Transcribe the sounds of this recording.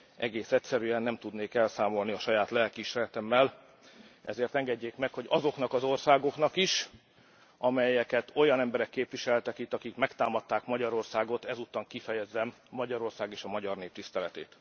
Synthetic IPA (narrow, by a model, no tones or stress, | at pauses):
ʔɛ̰ɡeːsɛcsɛɾyɛnːɛmt̪ud̪neːkɛlsaːmo̞lniɒʃɒjaːt̪lɛlkiʃɛlɛt̪ɛmːɛl | ʔɛ̰zeːrt̪ɛŋɡɛɟːeːkmɛkho̞ɟɒzo̞knɒkɒzo̞rsaːɡo̞kn̪ɒkiʃ | ʔɒmɛjɛkɛt̪o̞jɒnɛmbɛɾɛkːeːpʋiʃɛlt̪ɛkit̪ːɒkikmɛkt̪aːmɒt̪ːaːkmɒɟɒɾo̞rsaːɡo̞t̪ɛzut̪ːɒŋkifɛjɛzːɛmːɒɟɒɾo̞rsaːɡeːʃɒmɒɟɒrneːp̚t̪ist̪ɛlɛt̪eːt̪